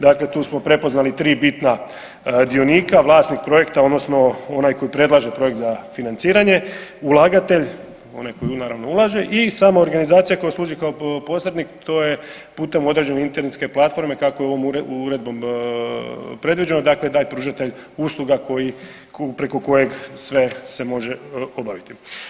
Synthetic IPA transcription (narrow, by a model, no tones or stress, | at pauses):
d̪aklet̪uːsmo̞pɾe̞po̞znalit̪ɾiːbit̪na | d̪io̞niːkaʋlˠaːst̪nik̚pɾo̞je̞kt̪aod̪no̞sno̞onajko̞ipɾe̞d̪laʒe̞pɾo̞jekt̪zafinant̪siːɾaɲe̞ulˠaːɡat̪e̞ʎ | o̞̰najko̞junaːɾaʋno̞ulˠaʒe̞ʔisaːmooɾɡanizaːt̪sijako̞jeslˠuːʒikaopo̞slˠed̪nikt̪ʰo̞ːje̞ | puːt̪e̞mo̞d̪ɾe̞d͡ʑe̞neint̪eɾnet̪ske̞plat̪fo̞ɾme̞kako̞jeo̞ʋomuɾuɾe̞d̪̚bo̞m | pɾe̞d̪ʋid͡ʑe̞nod̪akled̪aːʎʲpɾuːʒat̪e̞ʎ | uslˠuɡako̞ji | pɾe̞ko̞ko̞je̞ɡsʋe̞se̞mo̞ʒe̞o̞baʋit̪i